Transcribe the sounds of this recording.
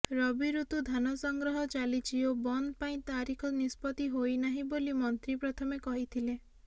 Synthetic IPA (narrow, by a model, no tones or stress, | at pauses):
ɾɔbiɾut̪ud̪ʱanɔsɔŋɡɾɔɦɔt͡ʃalit͡ʃʰiobɔnd̪paĩt̪aɾikʰɔnispɔt̪iɦojnaɦĩbolimɔnt̪ɾipɾɔt̪ʰɔmekɔɦit̪ʰile